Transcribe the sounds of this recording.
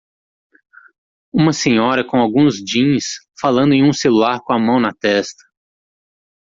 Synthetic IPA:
ũmɐsẽɲɔɾɐkõawɡũzd͡ʒĩɲs | falɐ̃nd̪ʊẽj̃ũselulaɾkõɐmɐ̃w̃nɐt̪ɛst̪ɐ̥

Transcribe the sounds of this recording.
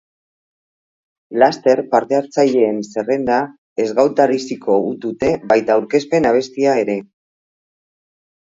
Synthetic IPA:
last̪e̞ɾpaɾt̪e̞aɾt͡saʎe̞ːnse̞re̞nd̪a | e̞zɣawt̪aɾisiko̞ut̪ut̪e̞βajt̪aːuɾke̞spe̞naβ̞e̞st̪iae̞ɾe̞

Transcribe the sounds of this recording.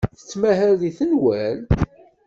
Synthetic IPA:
θə̥t͡sːmæɦæɾðiθənwæl

